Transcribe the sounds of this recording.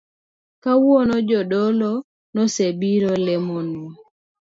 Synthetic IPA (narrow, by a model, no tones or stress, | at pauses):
kawɔnɔd͡ʒɔdɔlɔ | nɔsebiɾolɛmonu